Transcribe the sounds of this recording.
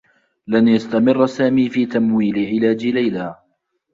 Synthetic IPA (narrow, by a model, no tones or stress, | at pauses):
lanjast̪amɪrˤːsaːmiːfiːt̪amwiːlɪʕɪlaːd͡ʒɪlajlaː